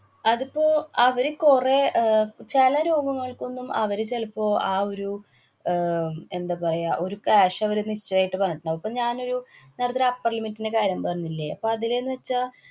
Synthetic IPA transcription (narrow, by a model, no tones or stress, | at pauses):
ɐðipːo̞ːɐʋɐɾekuret͡ɕelɐɾo̞ːɡɐŋːɐɭko̞nːumɐ̰ʋɐɾet͡ɕelpːo̞ːʔaːo̞ɾu | e̞nd̪ɐpɐrɐjaʔo̞ɾukeaːʂɐɐʋɐɾeniɕt͡ɕːɐaːjiʈːɨpɐrɐnːiʈːuɳːɐʋɐpːoɲaːno̞ɾunɐɾɐt̪ːiɾapːɐrlimitːinde̞kaːɾjɐmpɐrɐɲːilːeɐ̰pːo̞ːɐðilenːɨʋɐt͡ɕːa